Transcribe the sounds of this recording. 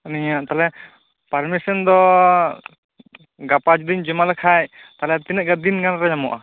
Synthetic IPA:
niɲaʔt̪alɛ | paɾmisɔnd̪ɔ | ɡapad͡ʒd̪iɲd͡ʒɛmalɛkʰajt̪alɛt̪inɛɡad̪inɡanɾad͡ʒamɔʔa

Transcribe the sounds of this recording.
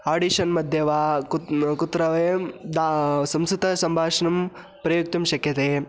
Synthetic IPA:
aːɖiʃɐnmɐd̪ʱjɐʋaːkkut̪ːɾɐʋɐjɐmd̪asɐmsut̪ɐsɐmbʱaːʂɐnɐm | pɾɐjuk̚t̪ɐmʃɐkjɐt̪eː

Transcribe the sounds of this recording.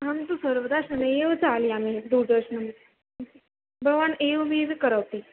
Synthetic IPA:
ɦamt̪usəɾʋəd̪aɾʂəneʋt͡saliːamid̪ud̪əɾɕnəm | bəʋaneʋʋiʋikəɾaʋt̪iː

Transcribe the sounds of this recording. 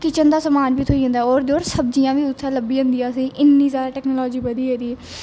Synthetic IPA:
kɪt͡ʃənd̪aːsəmaːnʋiːt̪ʰoːiːə̃nd̪aɛːoːɾd̪oːɾsəb̚d͡ʒijãːʋiːʊt̪ʰːɛːləbiːə̃ːnd̪ijãːəsĩːʔɪnːiːsaːɾaːʈɛːknoːlɔːd͡ʒiːbəd̪iːɦeːd̪iː

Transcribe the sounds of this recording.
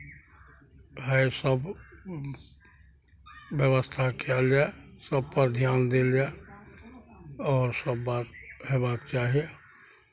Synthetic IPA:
ɦəsəb | jəwəst̪ʰakald͡ʒaesəb̚pəɾd̪ʱjaːnd̪eld͡ʒae | ɔːɾsəbːaːt̪̚ɦebaːkt͡ʃaːɦije

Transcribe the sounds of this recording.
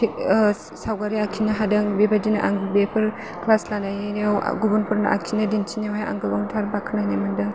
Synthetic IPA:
i | sawɡaɾiakʰinaɦadaŋbebadinaʔaŋɡbepʰɯɾ | klaslanajeɾijaw̰ɡubunpuɾnaʔa̰kʰinadint͡ʃʰinjawɦaja̰ŋɡɯbaŋtʰaɾbakʰananamandɯ

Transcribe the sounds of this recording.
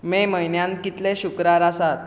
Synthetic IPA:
meməɦjnjãnkit̪leɕukɾaɾasat̪̚

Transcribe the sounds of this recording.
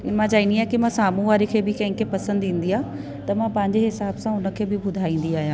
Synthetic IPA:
ɪnəmãd͡ʑaːiniaːɦkɪmãsaːmũʋaːɾikʰeːbɪkɐ̃ɦɪ̃kʰepɐsə̃nd̪ĩːn̆d̪iaː | t̪ɐmãpɐ̃ɦɪ̃ɲd͡ʑeɦɪsaːbsãʊnə̆kʰeːbɪbʊd̪ʱaːĩːn̆d̪iaːɦijãː

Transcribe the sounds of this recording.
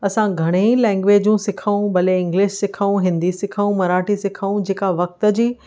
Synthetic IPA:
ɐsãɡʱɐɽ̃eĩlɛ̃ːŋɡʋeːd͡ʑũsɪkʰaũbɐleɪ̃ŋɡlɪʃsɪkʰaũɦɪ̃nd̪isɪkʰaũmɐɾaːʈisɪkʰaũd͡ʑeːkaʋɐk̚t̪ə̆d͡ʑiː

